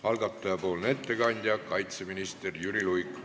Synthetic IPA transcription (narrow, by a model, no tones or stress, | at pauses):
hɑlɡ̥ɑt̪ˑːɑjɑpo̞ːlnee̞t̪ːe̞kɑnʲd̪̥ʲjɑkɑjt̪se̞minist̪erjyɾilujk